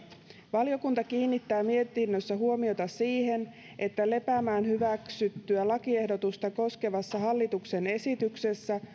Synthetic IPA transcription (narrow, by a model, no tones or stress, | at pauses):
ʋɑlio̞kunt̪ɑkiːnːit̪ːæːmie̞t̪inːøsːæɦuo̞mio̞t̪ɑsiːhe̞n | ʔe̞t̪ːæle̞pæmæːnhyʋæksyt̪ːyælɑkie̞hdo̞t̪ust̪ɑko̞ske̞ʋɑsːɑɦɑlːit̪ukse̞ne̞sit̪ykse̞sːæ